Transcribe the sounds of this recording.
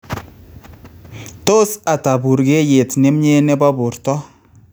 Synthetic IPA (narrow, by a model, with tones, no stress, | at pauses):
to˦sa˨ta˨bu˨ɾɡe˦je˨tnɪ˦mɲe˦nɪ˦bɔ˦bu˨ɾtɔ˦